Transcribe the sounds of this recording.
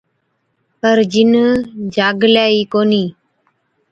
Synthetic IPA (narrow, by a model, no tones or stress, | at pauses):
pəɾd͡ʒɪnd͡ʒaːɡlaːiːkoːniː